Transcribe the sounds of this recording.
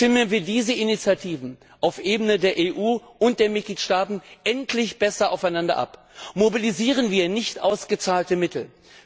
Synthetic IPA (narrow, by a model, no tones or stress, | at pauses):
ʃtɪmənviːɐdiːzəʔɪnit͡sjatʰiːvn̩ | ʔaʊfʔeːbənədeːɐʔeːʔuːʔʊnt̚d̥eːɐmɪt̚ɡ̥liːtʃtaːtn̩ʔɛntʰlɪçb̥ɛsɐʔaʊfaɪnandɐ̰ʔa̰p | mobiliziːʁ̞ənviːɐnɪçtʔa̰ʊsɡ̥ət͡saːltəmɪtʰl̩